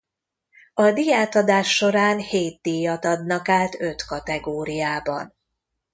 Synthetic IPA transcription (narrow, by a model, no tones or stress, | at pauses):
ɒd̪ijaːt̪ɒd̪aːʃːo̞ɾaːnheːt̪̚d̪ijːɒt̪ɒd̪nɒkaːt̪ø̞t̪kɒt̪ɛɡoːɾijaːbɒ̰n